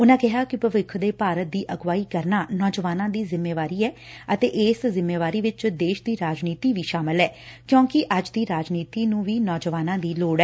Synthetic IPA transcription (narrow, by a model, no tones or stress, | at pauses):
ʊnãːkɪɦaːkɪpəʋɪkʰd̪eːpaːɾət̪̚d̪iːʔəɡʋaːiːkəɾnaːnɔːd͡ʒʋaːnãːd̪iːzɪmːeːʋaːɾiːɛː | ət̪eːʔɪszɪmːeːʋaːɾiːʋɪt͡ʃd̪eːʃd̪iːɾaːd͡ʒniːt̪iːʋiːʃaːmɪlɦɛːkjõːkɪʔəd͡ʒd̪iːɾaːd͡ʒniːt̪iːnũːʋiːnɔːd͡ʒʋaːnãːd̪iːloːɽɛː